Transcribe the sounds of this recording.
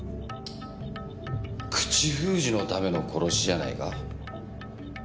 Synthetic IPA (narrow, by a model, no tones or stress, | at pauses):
kʰɯ̟̥t͡ɕiɸɯːʑino̞t̪ame̞no̞kʰo̞ɾo̞ɕiʑana̰ḭka̰